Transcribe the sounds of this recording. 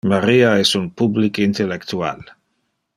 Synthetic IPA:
maɾiaɛsunpublikint̪elekt̪ua̰l

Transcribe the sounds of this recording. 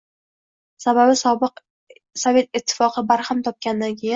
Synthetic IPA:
sababɪsbɨq | sɒve̞t̪̚ɪt̪ʰːɪ̥fɒqʰɨbaɾhamt̪ʰɒp̚kʲand̪ankʲʰejɪn

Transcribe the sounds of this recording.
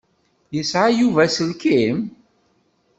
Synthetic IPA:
jəsʕajuvæsəlkim

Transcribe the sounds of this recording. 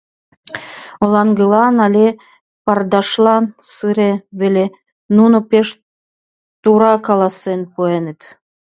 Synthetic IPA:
olɑŋɡəlɑnɑlʲe | pɑrd̪ɑʃlɑnsɨɾeβelʲe | nunopeʃ | t̪uɾɑkɑlɑsenpuenet̪

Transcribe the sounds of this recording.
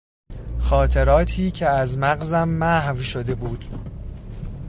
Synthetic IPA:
xɒːt̪ʰeɾɒːt̪ʰiːcʰeæzmæɢzæmːæhvʃod̪e̞buːd̪̥

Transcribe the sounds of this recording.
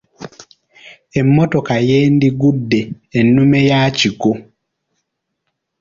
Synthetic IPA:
ɛmːɔtɔkajeːndiɡudːeː | numɛjaːt͡ʃiɡo

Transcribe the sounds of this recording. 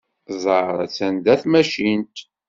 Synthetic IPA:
zˤəɾˤæ̰t͡sːænd̪æθmæʃint̪

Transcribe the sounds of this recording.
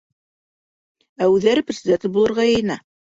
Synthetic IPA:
æʉðːæɾɘprʲɪsʲɪd̪ʲent̪ɘbulˠɤ̆ɾʁɑjɤ̆jɤ̆nɑ

